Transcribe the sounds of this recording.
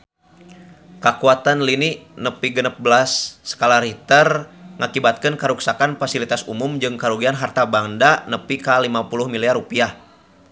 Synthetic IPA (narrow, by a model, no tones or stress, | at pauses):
kakuat̪anliniʔnəpiɡənəp̚bəlasːə̥kalaɾit̪ərŋakibat̪̚kənkaɾuksakanfasilit̪asumʊmd͡ʒɨŋkaɾuɡianɦart̪abaŋdanəpikalimapuluhmiliarupiah